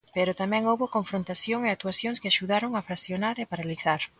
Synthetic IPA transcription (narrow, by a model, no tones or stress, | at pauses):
peɾot̪amɛ̃ŋowβokoɱfɾont̪asjoŋeak̚t̪uasjoŋskɪaʃuðaɾoŋafɾasjonaɾepaɾaliθaɾ